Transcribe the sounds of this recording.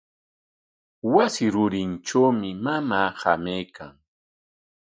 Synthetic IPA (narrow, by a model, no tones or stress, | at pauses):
wasɪɾʊɾɪnʈ͡ʂawmɪmamaːhamejkʰaŋ